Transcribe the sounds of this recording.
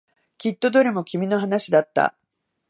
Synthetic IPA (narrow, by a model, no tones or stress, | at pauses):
kʲit̪ːo̞d̪o̞ɾʲimo̞kʲimʲino̞ɦanaɕid̪at̪ːa̰